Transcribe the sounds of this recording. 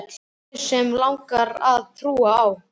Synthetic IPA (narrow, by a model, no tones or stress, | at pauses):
t̪l | sɛmlawŋkaɾaðθʰɾuːaːw